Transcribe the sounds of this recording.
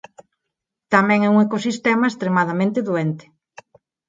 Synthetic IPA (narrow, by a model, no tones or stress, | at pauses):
t̪amɛ̃ŋɛuŋekosist̪ɛmaest̪ɾemaðamẽnt̪ɪðuɛnt̪ɪ̥